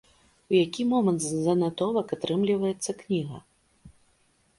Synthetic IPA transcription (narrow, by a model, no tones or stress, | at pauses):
ujakʲimɔmɐnt̪zzɐnat̪ɔvɐkat̪ɾɨmlʲivɐjɛt̪sːɐknʲiɣɐ̰